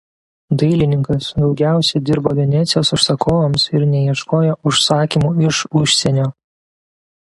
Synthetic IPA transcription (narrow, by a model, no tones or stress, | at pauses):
d̪ɐɪlʲɪnʲɪŋkɐsd̪ɒʊɡʲæˑʊsʲɛd̪ʲɪɾboːʋʲɛnʲɛt̪sʲɪjoːsʊʃsɐkʰoːʋomsɪɾnʲɛjiɛʃkoːjoʊʃsɑːkʲiːmuːɪʃʊʃʲsʲɛnʲoː